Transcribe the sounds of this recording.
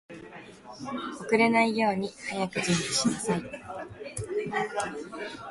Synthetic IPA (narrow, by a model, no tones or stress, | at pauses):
o̞kɯ̟ɾe̞naijo̞ːɲ̟ihajakɯ̟ʑɨ̃mbɯ̟ɕinasai